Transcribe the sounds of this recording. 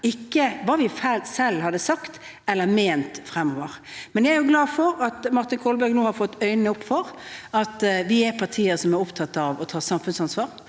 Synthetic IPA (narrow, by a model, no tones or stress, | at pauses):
ɪkːəʋɑːʋɪfælsɛlːhɑd̪əsɑkt̪ | ɛlːəɾmeːnt̪fɾɛmːoːʋəɾ | mɛnjɛɛɾjʊɡlɑːfɔɾɑt̪mɑɾt̪ɪnkʰoːlbæɾɡnuːhɑɾfɔt̪ːœʏnəʊpːfɔɾɑt̪ʋɪɛɾpʰɑɾt̪ʰiːəɾsɔmɛɾʊpt̪ʰɑt̪ːɑʋɔt̪ʰɑːsɑmfʉnsɑnsʋɑːɾ